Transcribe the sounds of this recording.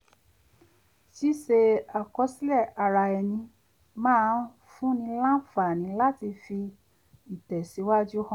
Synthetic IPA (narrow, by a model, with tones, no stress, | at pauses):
ʃi˦ʃe˧a˨kɔ˨˧˦si˦lɛ˦˨a˧ɾa˧ɛ˧˨nĩ˧ | mãː˦˧˦ | fũ˦nĩ˧lã˦fa˨nĩ˨˦la˦ti˧fi˧ | i˨tɛ˨si˨˦wa˦d͡ʒu˦hɔ̃˦˨